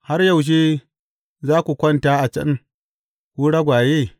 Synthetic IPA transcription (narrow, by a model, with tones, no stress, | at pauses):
ha˦rjɐ˦˨wʃ̬eː˦ | zaː˦kʷu˨kʷɐ˦nta˦ʔa˨t͡ʃɐ̰˦n | ku˦ɽa˦ɡʷaː˨jeː˦˨